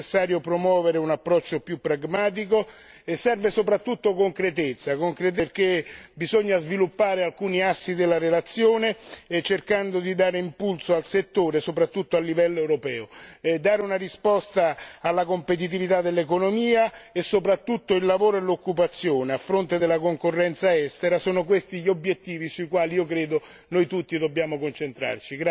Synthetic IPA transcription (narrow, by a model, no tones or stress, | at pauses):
sːaːɾjopɾomwɔːveɾeunapːɾɔt͡ʃːopjupːɾaɡmaːt̪̬iko | esɛrvesopɾat̪ːut̪ːokoŋkɾet̪̬et̪sːakoŋkɾet̪̬erk̟ebizoɲːazvilupːaːɾealkuːniasːid̪elːaɾelat̪sːjoːnet͡ʃerkand̪od̪id̪aːɾeimpulsoalset̪ːoːɾesopɾat̪ːut̪ːoalːivɛlːoewɾopɛːod̪aːɾeunarispɔst̪aːlːakompet̪̬it̪̬ivit̪ad̪ːelːekonomiːaesːopɾat̪ːut̪ːoilːavoːɾoelːokːupat̪sːjoːneafːɾont̪ed̪elːakoŋkorːɛnt̪saɛst̪eɾasoːnokwest̪iʎːiobjet̪ːiːvisuikwaːliiːokɾeːd̪o | nojt̪ut̪ːid̪obːjaːmokont͡ʃent̪ɾa̰rt͡ʃiɡ